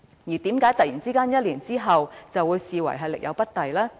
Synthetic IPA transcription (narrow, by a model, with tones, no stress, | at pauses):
jiː˨˩t̪iː˨˥mkaː˨˥jt̪ɐ˨t̚jiː˨˩nt͡siː˥kaː˥njɐ˥t̚liː˨˩nt͡siː˥ɦɐ˨wt͡sɐ˨wuː˨˧jsiː˨wɐ̰˨˩jɦɐ˨jlɪ˨k̚jɐ̰˨˧wpɐ˥t̚t̪ɐ˨jlaː˥